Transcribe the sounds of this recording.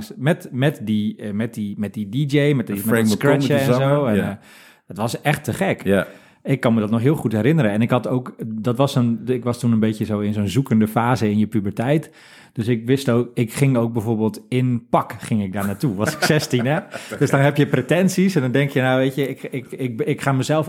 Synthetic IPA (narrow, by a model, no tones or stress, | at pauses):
ŋsmɛtmɛtdimɛt̚dimɛt̚didid͡ʒejmɛtimɛskrɹɛəɛ̃nzowɛn | dɔtʋɑsɛxtʰəχɛk | ɪkːɑnmədɔtnɔχɦɪːlˠχutɦɛrɾɪnəɾəɛnɪkɦɑtowkdɔtʋɑsɔnɪkʋɑstunənbejtjəzowɪnzoːnzukəndəfaːzəɪnjəpybəɹtɛjt | d̥øsɪk̚ʋɪstoːkɪkχɪŋowk̚bɛvoːɹbeːlˠtɪnpɑkχɪŋɪk̚daːɹnaːtuʋɔsɪ̥ksɛstinɛd̥øsdɔnɦɛpjəpretɛnsisɛndɔndɛŋkjənawʋejtəɪkɪkɪk̚ɪkχaːməzɛlˠf